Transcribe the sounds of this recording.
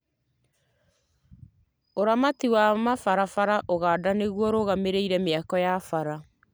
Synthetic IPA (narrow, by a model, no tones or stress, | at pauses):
oɾamatiwamafaɾafaɾaʔoɣaːdaneɣwɔɾoɣameɾeiɾɛmeakɔjafaɾa